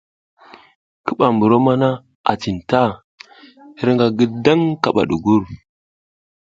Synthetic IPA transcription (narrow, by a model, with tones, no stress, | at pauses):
kə˦ɓa˨mbu˨ɾo˦ma˦na˦ | a̰˨ti˨n˨ta˦ | hi˦ɾŋɡa˨ɡə˦da˦ŋka˨ɓa̰˨ɗu˨ɡu˦ɾ